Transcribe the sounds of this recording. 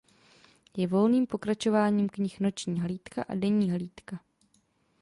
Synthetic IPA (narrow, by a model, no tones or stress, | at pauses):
jɛvo̞lniːmpo̞kɾat͡ʃo̞vaːɲiːmkɲɪxno̞t͡ʃɲiːɦliːt̪kaʔa̰dɛɲiːɦliːt̪ka